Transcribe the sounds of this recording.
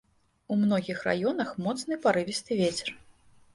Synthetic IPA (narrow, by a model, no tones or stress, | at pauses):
umnɔɣʲixra̰jɔnɐxmɔt̪snɨpaɾɨvʲist̪ɨvʲet͡sʲɛ̥r